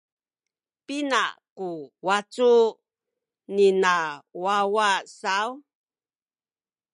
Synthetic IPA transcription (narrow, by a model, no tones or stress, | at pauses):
pina̰kuwat͡su | ninawawasaw